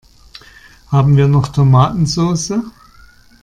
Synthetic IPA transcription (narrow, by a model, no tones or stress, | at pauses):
haːbm̩viːɐnɔχtʰomaːtn̩zoːsə